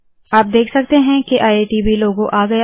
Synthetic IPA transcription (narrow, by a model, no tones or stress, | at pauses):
aːp̚d̪eːkʰsɐk̚t̪eɦɛ̃keʔaːeːʈibʱiloːɡõʔaːɡɐja